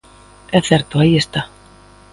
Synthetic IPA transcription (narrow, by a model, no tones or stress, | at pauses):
ɛθɛɾt̪uajɪst̪a